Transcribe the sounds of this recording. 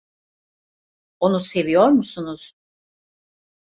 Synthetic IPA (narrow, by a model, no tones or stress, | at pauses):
o̞nuse̞vijo̞ɾmusunuz̥